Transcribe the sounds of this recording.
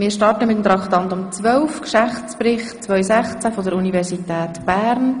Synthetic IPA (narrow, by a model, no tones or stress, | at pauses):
mɪːɾʃtɑrtəmɪt̪əmt̪ɾɑkχt̪ɑnt̪ʊmt͡sʋœlfkʃæft͡spɾɪχtt͡sʋœʏsæχt͡sæfɔdəɾunivɛɾsitɛːtb̥æːɾn